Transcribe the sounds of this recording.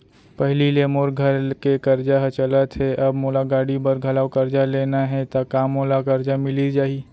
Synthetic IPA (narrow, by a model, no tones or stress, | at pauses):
pəɦlilemoːɾɡʱəɾkekəɾd͡ʒaɦt͡ʃələt̪ɦɛʔɐbmoːlaɡaːɽibəɾɡʱɐlaːʊkəɾd͡ʒaleːnaɦɛt̪akaːmːoːlakəɾd͡ʒamɪlid͡ʒaːi